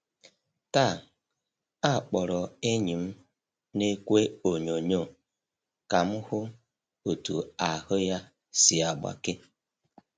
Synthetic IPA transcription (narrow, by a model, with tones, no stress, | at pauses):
ta˦˨ | a˦˨k͡pɔ˨ɾɔ˨e˦ɲi˨m̩˦ | ne˦kʷe˦o˨ɲo˨ɲo˦˨ | ka˨m̩˦hʊ˦ | o˨tu˨a˨hʊ˦ja˦ | si˨a˨ɡ͡ba̰˨kɪ˦